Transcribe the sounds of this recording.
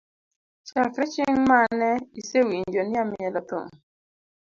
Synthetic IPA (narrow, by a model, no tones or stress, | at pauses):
t͡ʃakɾɛt͡ʃɪŋmanɛisewiɲd͡ʒonamɪɛlɔt̪ɔ̰ŋ